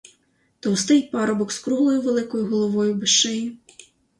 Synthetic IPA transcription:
t̪ɔwst̪ɪjpɑɾɔbɔkskɾuɦlˠɔjʊʋelˠɪkɔjʊɦɔlˠɔʋɔjʊbeʃɛjʊ

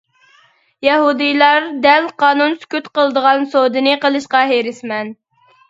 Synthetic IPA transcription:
jɛɦud̪ɨjlˠɑɾd̪ɛlqʰɑːnunsy̥kʲyt̪qəlˠd̪əʁɑnsod̪ɨnɨqəlˠɨʃqɑɦeɾɪsmɛn

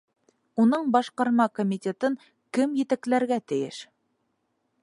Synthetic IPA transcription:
unɤɴbɑʃqɑɾmɑkomʲit̪ʲet̪ɤŋ | kɘmjɘ̆t̪æklæɾɡæt̪ɘ̆jɘ̰ʃ

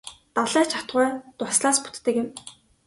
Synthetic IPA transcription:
t̪aɮæːt͡ɕʰat̪ɢʊːt̪ʊsɮaːspu̥t̪ːɘ̆kɪ̆m

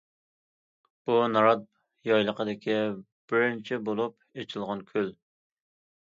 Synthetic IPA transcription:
bunɑɾɑt̪̚ | jɑjlˠəqəd̪ɪkʲʰi | b̥ɪɾnɪt͡ʃʰɛbolˠup | et͡ʃʰilˠʁɑnkʲʰøl

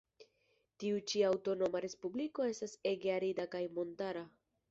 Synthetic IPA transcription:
tiut͡ʃiawto̞no̞maɾe̞spubliko̞e̞stase̞ɡeaɾidakajmo̞ntaɾa

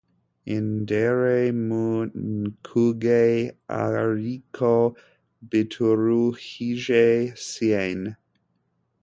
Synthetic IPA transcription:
ɪndeɾemunkʰuɡeja̰ɾikʰo | bitʰuɾuxiʒesien

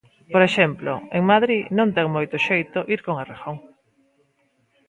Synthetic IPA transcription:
poɾeʃɛmplo̰eŋmaðɾinõnt̪ɛŋmojt̪ʊʃejt̪ʊʔiɾkoŋarexoŋ

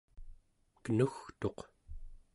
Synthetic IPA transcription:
kənuxt̪o̞q

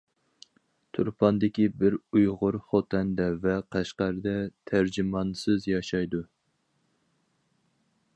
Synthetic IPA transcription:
t̪ʰuɾpʰɑnd̪ɪkʲibɪɾujʁʊɾχot̪ʰɛnd̪ɛvɛqʰæʃqæɾɨd̪ɛt̪ʰæɾd͡ʒimɑnsɨzjɑʃɑjd̪u

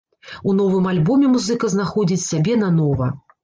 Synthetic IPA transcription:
unɔvɨmalʲbɔmʲɛmuzɨkɐznaxɔd͡zʲit͡sʲsʲabʲɛn̪ɐnɔvɐ̰

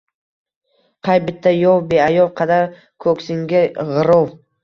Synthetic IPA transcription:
qʰɑjbɪt̪ʰːajɒwbeajɒlˠqʰɑd̪aɾ | kʰɵkʲsɪŋɡʲaʁɨɾow

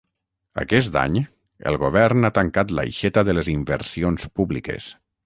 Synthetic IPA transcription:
a̰kɛst̪a̰ɲ | ə̰lˠɣoβɛɾnat̪aŋkat̪la̰jʃɛt̪aðəleziɱbəɾsionspuβlikḛs

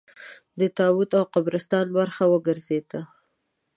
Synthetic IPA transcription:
d̪ət̪ɑwut̪awqabɾɪst̪ɑnbaɾxawəɡəɾzed̪̥a

